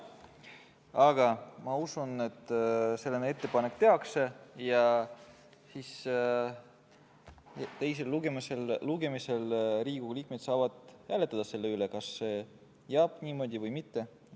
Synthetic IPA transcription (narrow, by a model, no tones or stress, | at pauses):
ɑɡ̥ɑmɑusune̞t̪ːˑse̞lːenee̞t̪ːe̞pɑne̞kːt̪e̞ɑkse̞jɑ | sis | t̪e̞js̬e̞lːuɡ̥emiselːluɡ̥e̞mise̞lɾiːɡ̥uliːk̚med̪sɑːvɑd̪̥hæle̞t̪ːˑɑd̪̥ɑse̞lːe̞ylekɑsːe̞ | jeɑb̥nʲiːmo̞ːd̪ʲivɤjmit̪ːe̞